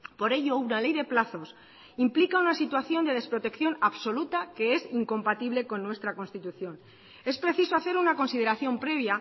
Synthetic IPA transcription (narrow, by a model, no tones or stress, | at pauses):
po̞ɾe̞ʝo̞unale̞jðe̞plaθo̞s | implikaunasit̪waθjo̞nd̪e̞ð̞e̞spɾo̞t̪e̞kθjo̞naβso̞lut̪ake̞esiŋko̞mpat̪iβle̞ko̞nːwe̞st̪ɾako̞nst̪it̪uθjo̞n | e̞spɾe̞θiso̞aθe̞ɾunako̞nsið̞e̞ɾaθjo̞mpɾe̞β̞ja